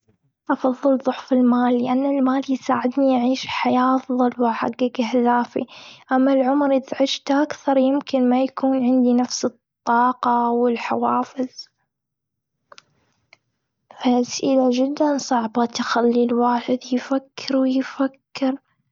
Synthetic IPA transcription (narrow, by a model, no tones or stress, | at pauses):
ʔɑfɑðˤːɨlðˤʊħfɪlmaːlːɪʔanːalmaːljsaːʕɪd̪niʔʕiːʃħajaːʔɑfðˤɑlwɪħa̰ɡːakɪhd̪aːfḭʔamːalʕʊmɾɪðʕɪʃt̪ʔakθɑɾˤjɪmkɪnmajakʰuːnʕɪnd̪inafsɨt̪ˤːɑːqɑwɪlħawaːfɪð | faasʔɪlad͡ʒɪd̪ːansˤɑʕbat̪xalːilwaːħɪd̪jfakːɪɾwɪjfakːɪɾ